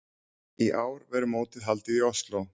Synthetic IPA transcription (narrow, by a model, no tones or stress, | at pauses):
iʔaːwɾvɛɾʏmoːwt̪ɪðɦalt̪ɪðiɔst̪lo